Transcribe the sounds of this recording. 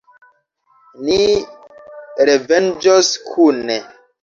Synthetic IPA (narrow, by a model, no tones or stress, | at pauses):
ni | ɾevɛnd͡ʒɔskʰune